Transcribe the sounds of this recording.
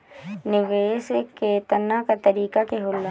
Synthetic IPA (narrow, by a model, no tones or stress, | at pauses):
nɪɡeːsekeːt̪ənakat̪ɐɾiːkakeɦʊlːa